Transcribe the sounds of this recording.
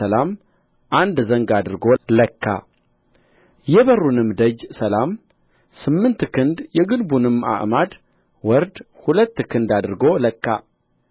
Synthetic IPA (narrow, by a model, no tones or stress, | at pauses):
əlam | ʔand̪zəŋɡad̪ɨɾɡoləkːa̰ | jɛβərːunɨmd̪əd͡ʒsəlam | sɨmːɨnt̪kʰɨnd̪jɛɡɨlbunɨmːa̰ʔmad̪ | wɔɾd̪ | hulət̪ːkʰɨnd̪ad̪ɨɾɡo̞ləkːa